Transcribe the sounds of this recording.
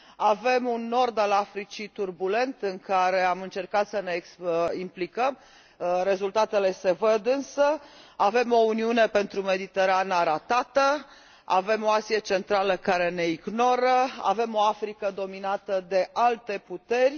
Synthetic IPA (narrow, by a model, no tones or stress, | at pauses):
ave̞munːo̞rd̪alafɾit͡ʃit̪urbule̞nt̪ɨŋkaɾe̞amɨnt͡ʃe̞rkat̪səne̞simplikəm | ɾe̞zult̪at̪e̞le̞se̞vəd̪ɨnsəave̞mo̞uniune̞pe̞nt̪ɾume̞d̪it̪e̞ɾanaɾat̪at̪ə | a̰ve̞mo̞asiet͡ʃe̞nt̪ɾaləkaɾe̞ne̞iɡno̞ɾəa̰ve̞mo̞afɾikəd̪o̞minat̪əd̪e̞ʔalt̪e̞put̪e̞rʲ